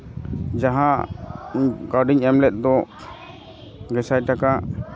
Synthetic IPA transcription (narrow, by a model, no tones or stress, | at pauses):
d͡ʒaɦã | ɡaɾɖiɲɛmlɛt̪̚ˀd̪ɔ | ɡɛsajʈaka